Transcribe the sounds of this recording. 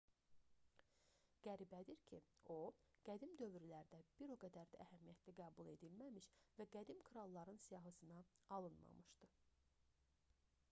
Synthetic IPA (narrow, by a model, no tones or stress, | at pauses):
ɡ̥æɾibæd̪iɾcʰio̞ɡ̥æd̪imd̪ø̞vɾylæɾd̪æb̥iɾo̞ɡæd̪æɾd̪æʔæhæmijæt̪ʰliɡæːbulˠe̞̰d̪ilmæmiʃvæɡæd̪imkʰɾɑlˠːɑɾɯnsijɑɦɯsɯnɑɑlˠɯnmɑ̰mɯʃd̪ɯ